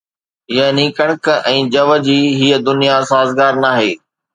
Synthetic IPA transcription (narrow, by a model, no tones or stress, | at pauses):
ɪjənĩːkəɽ̃əkɛ̃ːd͡ʑɐʋə̆d͡ʑiːɦiːəd̪ʊnijasaːzɡaːɾnaːɦeː